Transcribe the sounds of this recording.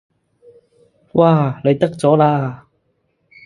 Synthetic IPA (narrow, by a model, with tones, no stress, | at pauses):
wʔaː˧˩le˨˧jt̪ɐ˥k̚t͡sɔː˨˥laː˧